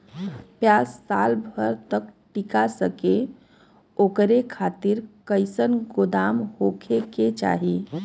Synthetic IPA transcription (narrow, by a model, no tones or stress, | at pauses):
pjaːsːaːlbʱəɾt̪əkʈikasəke | oːkɾekʰaːt̪ɪɾkəɪsənɡod̪aːmhokʰeket͡ʃa̰ːɦi